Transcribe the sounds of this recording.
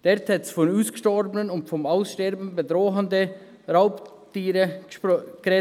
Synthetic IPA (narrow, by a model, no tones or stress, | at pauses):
d̥ɛɾthɛtsfɔnuːskʃtɔɾbənənʊntfɔmaʊsʃtɛɾbn̩bedɾoːɦəndə | ɾaʊptiːɾə | ɡ̥rɛ